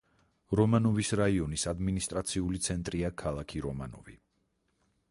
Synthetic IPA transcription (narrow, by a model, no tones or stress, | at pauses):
ɾɔmanɔvisɾaiɔnisad̪minist̪ʼɾat̪sʰiulit̪sʰɛnt̪ʼɾiakʰalˠakʰiɾɔma̰nɔ̰vi